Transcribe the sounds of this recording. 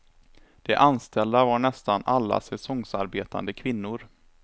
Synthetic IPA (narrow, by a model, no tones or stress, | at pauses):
d̪̥ɛʔanst̪ɛld̪avaɳɛst̪anʔalːa̰sɛsɔŋsaɾbeːt̪a̰nd̪əkʰvɪnːʊɾ